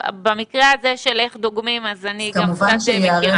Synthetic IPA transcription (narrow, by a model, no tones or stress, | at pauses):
bamikʁeazeʃeleχd̪oɡmimazaniɡkamuvannʃejeaʁe